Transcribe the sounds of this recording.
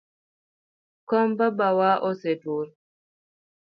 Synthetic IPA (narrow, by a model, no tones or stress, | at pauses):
kɔmbabawaʔɔsetuɾ